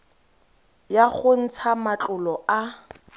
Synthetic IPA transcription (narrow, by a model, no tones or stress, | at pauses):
jaχʊn̩t͡sʰamat͡ɬʼʊlɔʔa